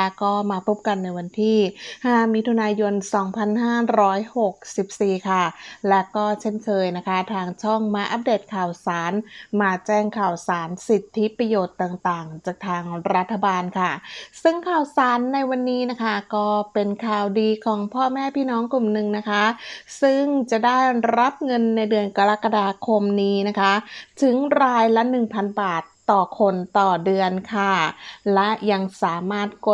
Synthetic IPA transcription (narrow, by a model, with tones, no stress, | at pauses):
ɛ˦˥kɔː˥˩maː˧pʰo˦˥p̚ka˧nːa˧jwa˧nt̪ʰiː˥˩haː˥˩mi˦˥t̪ʰu˧naː˧jo˧nsɔː˩˦ŋpʰa˧nɦaː˥˩ɾɔː˦˥jho˨˩k̚si˨˩p̚siː˨˩kʰa˥˩lɛ˦˥wkɔː˥˩t͡ɕʰe˥˩nkʰɤː˧jna˦˥kʰa˦˥t̪ʰaː˧ŋt͡ɕʰɔ˥˩ŋma˧˥jʔa˦˧˥p̚deː˨˩t̪̚kʰaː˨˩wsaː˩˦nmaː˧t͡ɕɛː˥˩ŋkʰaː˨˩wsaː˩˦nsi˨˩t̪ʰːi˦˥pɾa˧joː˨˩t̪ːaː˨˩ŋt̪aː˨˩ŋt͡ɕaː˨˩k̚t̪ʰaː˧ŋɾa˦˥t̪ʰːa˧baː˧nkʰa˥˩sɯ˥˩ŋkʰaː˨˩wsaː˩˦nːa˧jwa˧nːiː˦˥na˦˥kʰa˥˩kɔː˥˩pe˧nkʰaː˨˩wdiː˧kʰɔː˩˦ŋpʰɔː˥˩mɛː˥˩pʰiː˥˩nɔː˦˥ŋklu˨˩mnɯ˨˩ŋna˦˥kʰa˦˥sɯ˥˩ŋt͡ɕa˨˩daː˥˩jɾa˦˥p̚ŋɤ˧nːa˧jdɯ˧ənka˧ɾa˦˥kːa˧daː˧kʰo˧mniː˦˥na˦˥kʰa˦˥t̪ʰɯ˨˩˦ŋɾaː˧jla˦˥nɯ˨˩ŋpʰa˧nbaː˨˩t̪ːɔː˨˩kʰo˧nt̪ɔː˨˩dɯ˧ənkʰa˥˩lɛ˦˥ʔja˧ŋsaː˩˦maː˥˩t̪̚ko˨˩